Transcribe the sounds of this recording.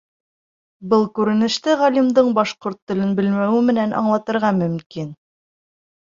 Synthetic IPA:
bɤlˠkʉɾɘ̆nɘ̆ʃt̪ɘʁɑlʲimd̪ɤɴbɑʃqoɾt̪ːɵ̆lɘnbɘ̆lmæwɘmɘ̆nænʔɑ̰ɴlˠɑt̪ɤ̆ɾʁɑmɵ̆mkin

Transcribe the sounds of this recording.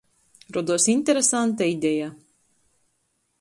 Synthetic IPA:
ɾɔd̪uɔsinʲt̪ʲɛɾesant̪̬aid̪ʲɛja

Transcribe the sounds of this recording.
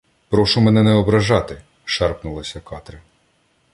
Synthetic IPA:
pɾɔʃʊmɛnɛnɛɔbɾɐʒɑt̪ɪ | ʃɑrpnʊlˠɐsʲɐkɑt̪ɾɪ

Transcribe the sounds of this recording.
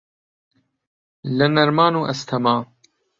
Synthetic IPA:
lɐnɐɾmaːnuːʔɐst̪ʰɐmaː

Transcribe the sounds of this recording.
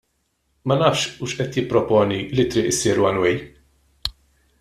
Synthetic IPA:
mɐnɐːfʃuːʃʔɛt̪jɪpːɾɔpɔːnilit̪ɾɪːʔɪsiːɾwɐnwɛj

